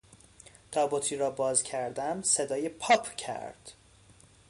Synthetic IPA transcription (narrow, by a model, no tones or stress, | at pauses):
d̪̥ɒːbot̪ʰiːɾɒːbɒːzcʰæɾd̪æmse̞d̪ɒːjepʰɒːpʰcʰæ̰ɾd̪̥